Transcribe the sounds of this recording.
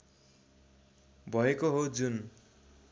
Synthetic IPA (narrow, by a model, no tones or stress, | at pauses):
bʱʌekoɦod͡zun